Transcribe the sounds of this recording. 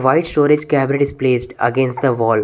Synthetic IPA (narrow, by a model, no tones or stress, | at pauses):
ʋaɪʈsʈoːɾɪd͡ʒkæbɪɾeʈɪzpleːsʈɐ̰ɡẽnsʈd̪əʋɔːl